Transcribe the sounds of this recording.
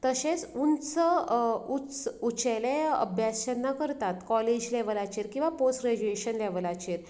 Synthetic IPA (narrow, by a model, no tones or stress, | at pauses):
t̪əɕẽt͡sunt͡səut͡sut͡ɕɛleə̰bʱjast͡ɕəɾnːakəɾt̪at̪kɔled͡ʑlɛʋlat͡ɕiɾkĩw̃ʋaposʈɾed͡ʑueɕənlɛʋəlat͡ɕiɾ